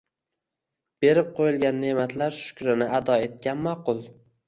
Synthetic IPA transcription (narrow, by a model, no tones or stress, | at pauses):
b̥e̞ɾɪp̚qʰojɪlˠɡʲanːe̞mat̪ʰlaɾʃʊ̥kʲɾɪnɪʔad̪ɒe̞t̪̚kʲanmɒqʊlˠ